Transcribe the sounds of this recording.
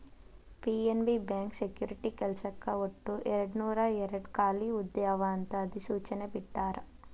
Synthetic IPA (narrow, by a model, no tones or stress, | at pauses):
piːenbibjaːŋksekjuːɾiʈikɛlsɐkːɐoʈːuʔɛɾɐɽnuːɾɐɛɾɐɽkaːliud̪jaːʋɐːnt̪ɐːd̪isuːt͡ʃɐnebiʈːaːɾɐ